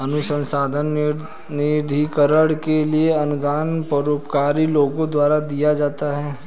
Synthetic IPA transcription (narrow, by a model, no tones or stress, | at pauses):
ɐnʊsə̃nsaːd̪ʱən | nɪd̪ʱikəɾəɽkelieɐnʊd̪aːnpɐɾoːpkaːɾiloːɡõd̪waːɾad̪ijad͡ʒaːt̪aɦɛː